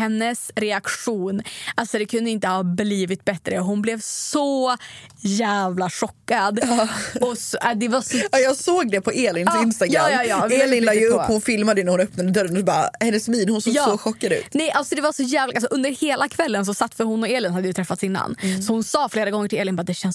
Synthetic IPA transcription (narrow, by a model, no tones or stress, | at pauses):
hɛnːəsɾɛakʂuːnalsɔd̪ɛkʰɵnd̪əɪnt̪əhɑːbliːvɪt̪̚bɛt̪ɾəɔɦʊnblɛvsɔ | jæːvlaʂɔkːad̪ɔsɔd̪ɛvasɔɑjɑːsoːɡ̚d̪ɛpʰɔʔeːlɪŋnsɪnst̪aɡjɾaɑːjɑːjɑːeɪajɵphʊnfɪlmad̪əjnɾhʊnœpnad̪əd̪œɾənɔsɔbɑːɾahɛnːəsmiːnhʊnsoːɡjsːoɧɔkːad̪ʉ̟̰ːnɛjʔalsɔd̪ɛvasɔjæːvlaʔalsɔʔɵnd̪əɾheːlakʰvɛlːəns̬ɔsat̪ːfœɾhʊnːɔeːlɪnhad̪ːəjʏt̪ʰɾɛfːat̪sɪnːa̰nːsɔhʊnsɑːfleːɾaɡɔŋːəʈʰɪleːlɪnbɑːd̪ɛɕɛns